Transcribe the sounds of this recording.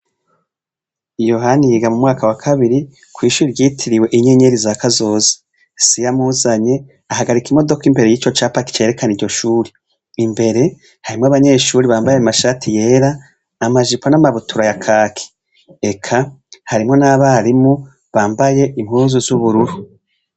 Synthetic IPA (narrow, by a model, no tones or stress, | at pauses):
ijo̞ɦaniɡamumŋaːkawakʰaβiɾi | kwiːʃuːɾiɾɟiːtʰiɾiwe̞ʔiɲeɲe̞ɾizakazo̞ːze̥ | sijamuːzaɲe̞ | aɦaɡaɾikimo̞do̞kimbe̞ɾejiːt͡ʃo̞t͡ʃaːpaki̥t͡ʃeːɾe̞kaniɾɟo̞ʃuːɾi | imbe̞ɾe̞ | haɾimŋaβaɲe̞ːʃuːɾiβaːmbajeamaʃatʰije̞ːɾaː | maʒiponamaβutʰuɾajakʰaːkʰi̥ | e̞kʰahaɾimŋo̞naβaɾimu | βaːmbaje̞ʔimhuːzuzuβuɾuɾu